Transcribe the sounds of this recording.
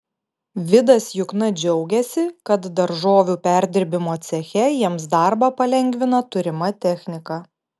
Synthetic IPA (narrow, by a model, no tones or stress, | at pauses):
ʋʲɪd̪ɐsjʊknɐd͡ʒʲɛʊɡʲɛsʲɪkɐt̪d̪ɐɾʒoːʋʲuːpʲæˑɾʲd̪ʲɪɾʲbʲɪmoːt̪sʲɛxʲɛjiɛms̬d̪ɑˑɾbɑpɐlʲɛŋʲɡʲʋʲɪnɐt̪ʊɾʲɪmɐt̪ʲɛxʲnʲɪkɐ